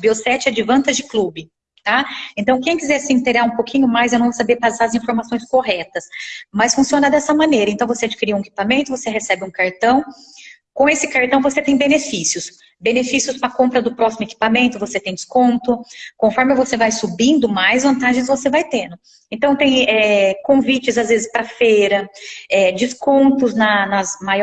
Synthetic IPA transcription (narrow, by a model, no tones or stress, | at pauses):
biosɛt͡ʃɪɛd͡ʒɪvɐ̃nt̪ɐzd͡ʒɪklubɪ | t̪aẽnt̪ɐ̃w̃kẽj̃kizɛɾsɪĩnt̪eɡaɾũpokʰĩɲʊmajzewñw̃vosabeɾpazaɾɐzĩfoɾmasõj̃skoɦɛt̪ɐsmɐsfũsiõnɐd̪ɛsɐmɐ̃nejɾɐẽt̪ɐ̃w̃vosead͡ʒikiɾiɐ̃ũeki̥pamẽnt̪ʊvoseɦesɛbɪũkaɾt̪ɐ̃w̃ | kõesɪkaɾt̪ɐ̃w̃voset̪ẽj̃benefisiʊs | benefisiʊspɾɐkõpɾɐd̪ʊpɾɔsimʊeki̥pamẽnt̪ʊvoset̪ẽj̃d͡ʒɪ̥skõnt̪ʊkõfɔɾmɪvosevajsubĩnd̪ʊmajzvɐ̃nt̪aʒẽj̃zvosevajt̪ẽnd̪ʊ | ẽnt̪ɐ̃w̃t̪ẽj̃ɛkõvit͡ʃɪzazvezɪspɾɐfejɾɐɛd͡ʒiskõnt̪ʊznɐnɐzmaj